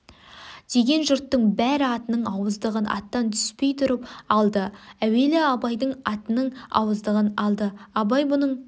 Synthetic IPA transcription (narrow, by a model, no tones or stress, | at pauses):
d̪̥e̞ɡʲe̞nʒʊɾt̪ːəɴbæɾɪɑt̪ənəɴɑwəzd̪əʁənʔɑ̰t̪ːɑnt̪ʰʏ̥spe̞jt̪ʰʊɾəpɑlˠd̪əæwe̞lɪɑbɑjd̪əɴɑt̪ənəɴɑ̰wəzd̪əʁənɑlˠd̪əɑbɑjbʊnəɴ